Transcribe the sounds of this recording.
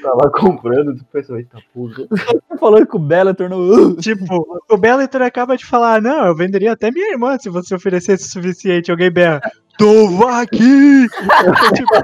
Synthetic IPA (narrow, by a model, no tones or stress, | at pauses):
t̪alakʰõpɾɐ̃nd̪ʊt͡ʃipʊpẽsaɐɪt̪apuɣɐsasefalõkɪʊbɛlet̪oɾnot͡ʃipʊʊbɛlet̪eɾakabɐd͡ʒɪfalaɾnɐ̃w̃ewvẽnd̪eɾiɐat̪ɛmĩɲɐiɾmɐ̃sɪvoseofeɾesesɪʊ̥sufisiẽnt͡ʃɪawɡẽj̃bɛhɐ | t̪ovaki | t͡ʃipʊ